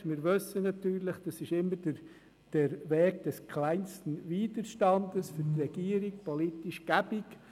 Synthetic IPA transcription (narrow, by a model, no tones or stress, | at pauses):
mɪːɾʋøsːənɑt̪yːɾlɪχd̥ɑsɪʃɪmːəɾdə | d̥ɛɾvɛːɡd̥ɛskʰlaɪnstən̩viːdəɾʃtɑndəsfʏɾtrɛɡ̥iːəɾik̚pʰɔlitiʃɡ̥æb̥ɪk